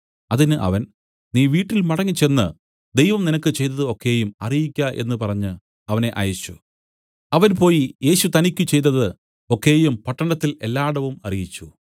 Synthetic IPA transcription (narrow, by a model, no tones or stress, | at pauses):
ɐðinɨʔɐ̰ʋɐn | niːʋiːʈːilmɐɽɐŋːit͡ɕe̞nːɨ | d̪ejʋɐmninɐkːɨt͡ɕe̞jt̪ːɐðɨo̞kːe̞ːjumɐrijikʲːɐʔe̞̰nːɨpɐrɐɲːɨ | ɐʋɐne̞ʔɐ̰jɐt͡ɕːu | ɐʋɐnpo̞ːjije̞ːɕut̪ɐnikʲːut͡ɕe̞jt̪ːɐðɨ | o̞kːe̞ːjumpɐʈːɐɳɐt̪ːile̞lːaːɽɐʋumɐrijit͡ɕːu